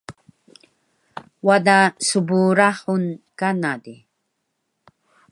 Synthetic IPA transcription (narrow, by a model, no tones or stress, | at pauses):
wad̪asubuɾaħunkanad̪i